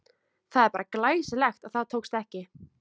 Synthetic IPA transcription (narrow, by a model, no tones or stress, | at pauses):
θaðɛɾpaːɾaklaːjsɪlɛxt̪aðθaðt̪ʰowkst̪ɛhcɪ